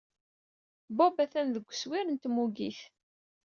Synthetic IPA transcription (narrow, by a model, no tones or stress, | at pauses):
bubæθænðəɡʷːswiɾənt̪muɡiθ